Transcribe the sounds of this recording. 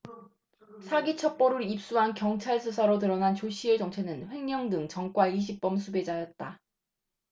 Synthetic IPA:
sʰaɡit͡ɕʰʌp͈ʌɾuɾip̚s͈uɦankjʌŋt͡ɕʰaɭsʰusʰaɾotɯɾʌnant͡ɕoɕ͈iet͡ɕʌŋt͡ɕʰe̞nɯnɸwe̞ŋɲʌŋdɯŋt͡ɕʌŋk͈waiɕ̬ʰip̚p͈ʌmsʰube̞d͡ʑajʌt̚t͈a

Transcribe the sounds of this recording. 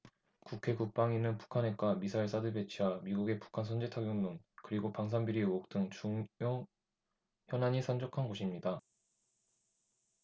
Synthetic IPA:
kukʰe̞kuk̚p͈aŋinɯnpu̥kʰane̞k͈wamisʰaiɭs͈adɯɭbe̞t͡ɕʰiwamiɡuɡe̞pu̥kʰansʰʌnd͡ʑetʰaɡjomnonkɯɾiɡopaŋsʰanbiɾiok̚t͈ɯŋt͡ɕuŋjoŋ | çjʌnaɲisʰand͡ʑokʰanɡoɕʰimɲida

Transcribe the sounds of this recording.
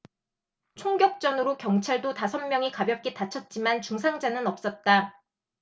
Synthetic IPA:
t͡ɕʰoŋɡjʌk̚t͡ɕ͈ʌnɯɾokjʌŋt͡ɕʰaɭdotasʰʌnmjʌŋikabjʌp̚k͈etat͡ɕʰʌt̚t͡ɕ͈imant͡ɕuŋsʰaŋd͡ʑanɯnʌp̚s͈ʌt̚t͈a

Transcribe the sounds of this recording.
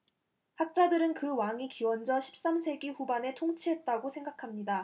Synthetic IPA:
hak̚t͡ɕ͈adɯɾɯnkɯwaŋikiwʌnd͡ʑʌɕʰi̥p̚s͈amsʰe̞ɡiɸubane̞tʰoŋt͡ɕʰiɦe̞t̚t͈aɡosʰe̞ŋɡakʰamɲida

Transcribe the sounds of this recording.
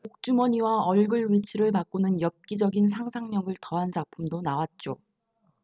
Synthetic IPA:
mok̚t͡ɕ͈umʌɲiwaʌɭɡɯɭɥit͡ɕʰiɾɯɭpak͈unɯnjʌp̚k͈id͡ʑʌɡins̬ʰaŋsʰaŋɲʌŋɡɯɭtʌɦand͡ʑak̚pʰɯmdonawat̚t͡ɕ͈o

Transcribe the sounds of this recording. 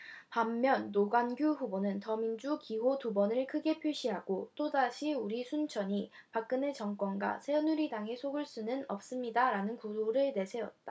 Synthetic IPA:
pamːjʌnːoɡanɡjuɸubonɯntʌmind͡ʑukiɦotubʌnɯɭkʰɯɡe̞pʰjuɕʰiɦaɡ̥ot͈odaɕʰiuɾisʰunt͡ɕʰʌɲi | pak̚k͈ɯne̞t͡ɕʌŋk͈wʌnɡwa̰sʰe̞ʌnːuɾidaŋesʰoɡɯɭs͈unɯnʌ̰p̚s͈ɯmɲidaɾanɯnkuoɾɯɭne̞sʰe̞ʌ̰t̚t͈a

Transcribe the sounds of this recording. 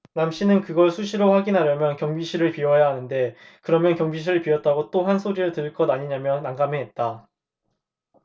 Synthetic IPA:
namɕ͈ʰinɯnkɯɡʌɭsʰuɕʰiɾoɸwaɡinɦaɾjʌmjʌnkjʌŋbiɕʰiɾɯɭpiʌɦejaɦanɯnde̞kɯɾʌmjʌnkjʌŋbiɕʰiɾɯɭpiʌt̚t͈aɡot͈ohansʰoɾiɾɯɭtɯɭk͈ʌdaɲiɲamjʌnaŋɡameɦet̚t͈a

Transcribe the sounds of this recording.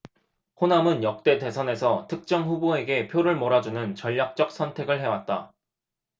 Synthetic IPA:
honamɯnjʌk̚t͈e̞de̞sʰʌne̞sʰʌtʰɯk̚t͡ɕ͈ʌŋɸuboe̞ɡe̞pʰjoɾɯɭmʌɾad͡ʑunɯnt͡ɕʌʎːak̚t͡ɕ͈ʌk̚s͈ʰʌntʰe̞ɡɯɭɦe̞wat̚t͈a̰

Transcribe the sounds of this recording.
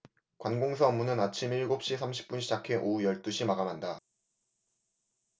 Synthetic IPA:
kwanɡoŋsʰaʌmːunɯnat͡ɕʰimiɭɡop̚ɕ͈isʰamɕʰi̥p̚p͈unɕʰid͡ʑakʰe̞ʔojʌɭt͈uɕʰimaɡamɦanda

